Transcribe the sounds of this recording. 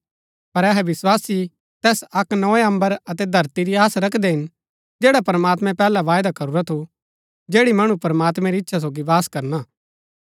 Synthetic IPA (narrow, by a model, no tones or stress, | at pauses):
pɐɾɛɦɛʋɪswaːsi | t̪ɛːsɐknɔeɐ̃mbəɾɐt̪ɛd̪ʱɐɾt̪iɾiaːsɾɐkʰd̪ɛɦɪn | d͡ʒeːɽapɾəmaːt̪mɛ̃pɛːlaʋaːjd̪akɐɾuɾat̪ʰu | d͡ʒeːɽimɐɽ̃upɾəmaːt̪mɛ̃ɾiɪtːʃʰas̬oːɡiʋaːskɐɾnaː